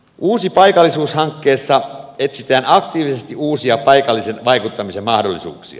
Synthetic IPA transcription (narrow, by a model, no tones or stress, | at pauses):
uːsipɑjkɑlːisuːshɑŋkːeːsːɑet̪sit̪æːnɑkt̪iːʋisest̪iuːsiɑpɑikɑlːisenʋɑikut̪ːɑmisemmɑhdolːisṵːksḭɑ̰